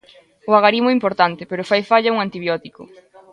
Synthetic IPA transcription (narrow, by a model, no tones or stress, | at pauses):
ʊaɣaɾimoimpoɾt̪ant̪epeɾʊfajfaʎauŋant̪iβjɔt̪ikʊ̰